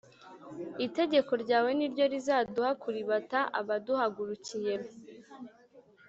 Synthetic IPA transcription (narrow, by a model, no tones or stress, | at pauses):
ite̞ɟe̞ko̞ɾɟaːwe̞niɾɟo̞ɾizaːduhakuɾiβataʔa̰βaduhaɡuɾucijeɾo